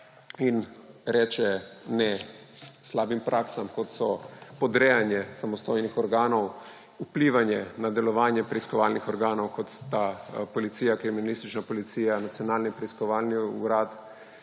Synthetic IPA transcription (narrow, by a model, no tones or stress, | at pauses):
inɾɛːt͡ʃɛnɛ | slaːbimpɾʔaːksamkɔt̪sɔpɔd̪ɾɛːjanjɛsamɔst̪ojnixɔɾɡaːnɔw | upliːʋanjɛnad̪ɛlɔʋaːnjɛpɾɛiskɔʋaːlnixɔɾɡaːnɔwkɔt̪st̪apɔlit̪sijakɾiminalist̪it͡ʃnapɔlit̪siːjanat̪sijɔnaːlnipɾɛiskɔʋaːlniuɾaːt̪